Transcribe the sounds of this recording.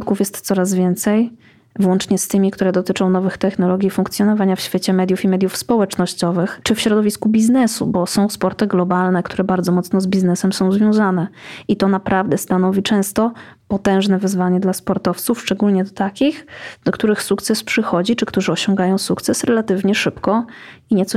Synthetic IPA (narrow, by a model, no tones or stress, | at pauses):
t̪kufjɛst̪t̪sɔɾazvʲjɛnt̪sɛj | vwɔnt͡ʂɲɛst̪ɘmʲikt̪uɾɛd̪ɔt̪ɘt͡ʂɔ̃w̃nɔvɘxt̪ɛxnɔlɔɡʲjifuŋkt̪sʲjɔnɔvaɲafɕfʲjet͡ɕɛmɛd̪ʲjufimɛd̪jufspɔwɛt͡ʂnɔɕt͡ɕɔvɘxt͡ʂɘfɕɾɔd̪ɔvʲiskubʲiznɛsṵbɔsɔ̃w̃spɔɾt̪ɘɡlɔbalnɛkt̪ʰuɾɛbaɾd̪zɔmɔt̪snɔzbʲiznɛsɛmsɔ̃w̃zvʲjɔ̃w̃zanɛit̪ɔnapɾavd̪ɛst̪anɔvʲit͡ʂɛ̃w̃st̪ɔ | pɔt̪ɛ̃w̃ʐnɛvɘzvaɲɛd̪laspɔɾt̪ɔft̪sufʂt͡ʂɛɡulɲɛd̪ɔt̪akʲixd̪ɔkt̪uɾɘxsukt̪sɛspʂɘxɔd͡ʑit͡ʂɘkt̪uʐɘɔɕɔ̃ŋɡajɔ̃w̃sukt̪sɛsɾɛlat̪ɘvɲɛʂɘpkɔ | iɲɛt̪sɔ